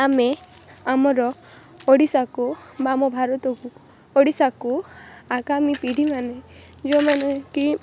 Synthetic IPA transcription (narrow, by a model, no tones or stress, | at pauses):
ame | amɔɾɔ | oɽisakubamɔbʱaɾɔt̪ɔku | oɽisakuakamipiɽʱimaned͡ʒomaneki